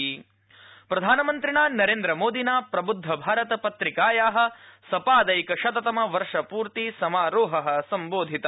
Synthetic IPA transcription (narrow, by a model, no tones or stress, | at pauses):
pɾɐd̪ʱaːnɐmɐnt̪ɾiɳaːnɐɾeːnd̪ɾɐmoːd̪inaːpɾɐbud̪ʱːɐbʱaːɾɐt̪ɐpɐt̪ɾikaːjaːɦɐ̆sɐpaːd̪ɐjkɐʃɐt̪ɐt̪ɐmɐʋɐɾʂɐpuːɾt̪isɐmaːɾoːɦɐɦɐ̆sɐmboːd̪ʱit̪ɐ